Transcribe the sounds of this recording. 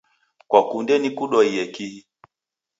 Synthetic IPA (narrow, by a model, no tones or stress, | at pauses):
kwakundɛnikuɗɔiɛkihi